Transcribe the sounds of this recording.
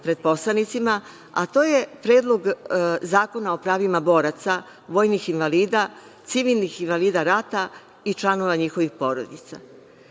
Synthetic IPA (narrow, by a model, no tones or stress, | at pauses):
pɾe̞d̪̥̚po̞slˠanit̪sima | a̰t̪o̞ːje̞pɾeːd̪lˠo̞ɡzaːko̞nao̞pɾaːʋimabo̞ɾat̪sa | ʋo̞ːjnixinʋaliːd̪a | t̪siʋilˠnixinʋaliːd̪aɾat̪a | it͡ʃlˠano̞ʋaɲixo̞ʋixpo̞ɾo̰d̪it̪sa̰